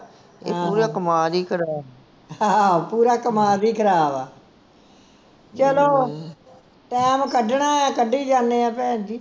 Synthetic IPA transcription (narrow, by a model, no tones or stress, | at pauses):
ḛːapːuːɾaːkəmaːd̪iːkʰəɾaː | ɦãːpuːɾaːkəmaːd̪iːkəɾaːʋaː | t͡ʃəloː | ʈɛːmkəɖɳaːãːkəɖiːd͡ʒãːneːɛ̃ːpɛ̃ːnd͡ʒiː